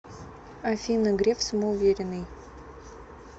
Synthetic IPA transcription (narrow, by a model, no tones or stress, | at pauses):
ɐfʲimnɐɡɾʲefsəməʊvʲeɾʲɪnːɨj